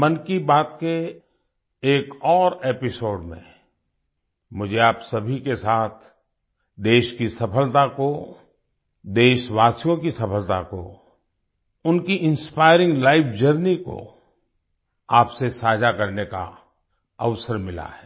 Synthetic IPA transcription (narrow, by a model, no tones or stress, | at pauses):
mɐnkibaːt̪ke | eːkɔːɾeːpɪsoːɖmḛ̃ | mʊd͡ʒʱeaːpsɐbʱikesaːt̪ʰ | d̪eːʃkisɐpʰəlt̪ako | d̪eːʃwaːsijõkisɐpəlt̪a̰ko̰ | ʊnkiʔɪ̃nspaːɪɾɪ̃ŋɡlaːɪfʰd͡ʒəɾniko̰ | aːpsesaːd͡ʒakɐɾneka̰ | ɐʋsəɾmɪla̰ɦɛː